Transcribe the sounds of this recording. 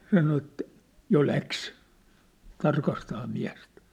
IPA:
sɑno ĕtːæ̥ jo læks tɑrkɑstɑː miæ̝stæ̥

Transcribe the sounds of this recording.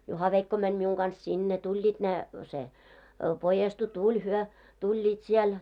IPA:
juhɑʋeikːo mænʲ miuŋ ɡ̊ɑns sinːe tulʲːiːt ne se pojestu tulʲ hyø tulʲːiːt siel

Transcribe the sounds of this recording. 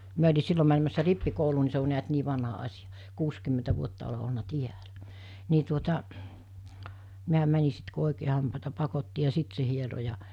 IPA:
miæ olʲi silːo mænemæsːæ ripːikouluː ni se o niæt niː ʋɑnhɑ ɑsʲijɑ̥ kuːskymːentæ ʋuotːɑ ole olnɑ tiælæ ni tuotɑ miæ mæni sit ku oˑikeː hɑmpɑˑetɑ pɑkotːi jɑ siˑt se hiero jɑ

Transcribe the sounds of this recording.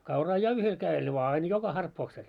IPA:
kɑurɑː jɑ yhel kæel ʋɑː ɑin jokɑ hɑrpːoːksel

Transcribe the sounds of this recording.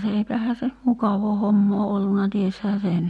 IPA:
se eipæhæː se mukɑʋoː homːoː olːunɑ tieshæː sen

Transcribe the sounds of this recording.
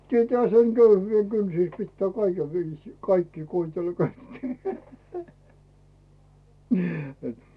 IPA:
tietæːhæ seŋ køyhyːʋe kynsis pitːæː kɑikeʋ ʋiːsiː kɑikːiː koitelːɑ ko etːei

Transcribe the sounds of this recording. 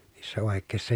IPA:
niːsːæ oˑekːeˑi̯sːɑ

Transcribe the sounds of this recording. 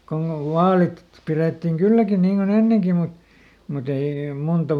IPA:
konː oʋ ʋɑːlit pireˑtːiŋ kylːækin niːŋ kon enːeŋki mut mut ei muntɑ

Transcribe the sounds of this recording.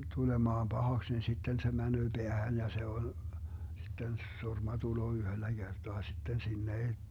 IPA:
tulemɑːm b̥ɑhɑks ni sitːen se mænøː b̥eæhæn jɑ se on sitːen surmɑ tuloː yhølːæ ɡ̊erd̥oɑ sitːen sinːe ei

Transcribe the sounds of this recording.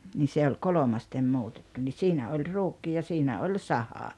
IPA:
ni se olʲ kolomɑstem muːtetːu ni siːnæ olʲ ruːkːi jɑ siːnæ ol sɑhɑ

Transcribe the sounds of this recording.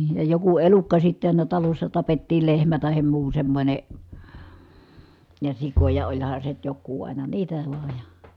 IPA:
jɑ joku elukːɑ sitːe ɑˑinɑ tɑlosːɑ tɑpetːiːl lehmæ tɑhem muː semːonʲe jɑ sikojɑ olʲhɑn se nyt jokːuː ʔɑˑinɑ niːtæ ʋɑˑej jɑ

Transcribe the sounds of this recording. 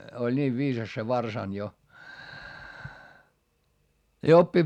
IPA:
olʲ niːʋ ʋiːsɑs se ʋɑrsɑnʲ jo jɑ opːi

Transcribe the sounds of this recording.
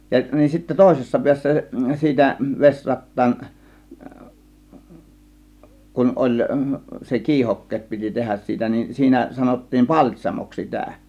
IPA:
jɑ nin sitːæ toˑe̝sesːɑ piæsːæ siːtæ ʋesʲrɑtːɑːn kun olʲ se kiːhokːeːt piti tehæs siːtæ nin siːnæ sɑnotːiːn pɑlʲtʲsʲɑmoks sitæ

